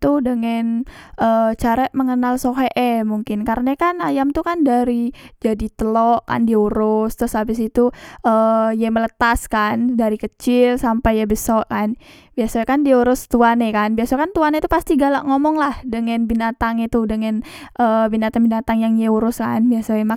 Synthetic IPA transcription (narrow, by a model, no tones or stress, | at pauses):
t̪udəŋan | ʔəːt͡ʃaɾəʔməŋənalsoɦɛʔɛmuŋkɪnkaɾənakanajamt̪ukandaɾid͡ʒadit̪əlɔʔka̰ndiuɾʊst̪ɾʊsabɪsit̪uʔəjamələt̪askandaɾikət͡ʃɪlsampajabəsɔʔkan | biasakandiuɾʊst̪uanɛkanbiasakant̪uanet̪upast̪iɡalaʔŋomɔŋlahdəŋanbinat̪aŋit̪udəŋan | ʔəbinat̪aŋbinat̪aŋjaŋjauɾʊska̰nbiasaema